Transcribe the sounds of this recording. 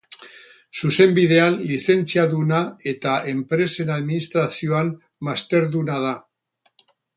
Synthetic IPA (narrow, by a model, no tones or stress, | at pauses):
suse̞mbiðe̞anlise̞nt͡siaðunae̞t̪ae̞mpɾe̞se̞naðminist̪ɾasio̞anː | ast̪e̞ɾðunað̞a